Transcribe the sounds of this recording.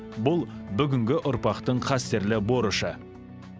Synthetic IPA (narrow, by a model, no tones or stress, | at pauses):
bʊlˠbʏɡʲɪŋɡʲɪʔʊɾpɑqt̪əɴqʰɑst̪eɾlɪbo̞ɾəʃə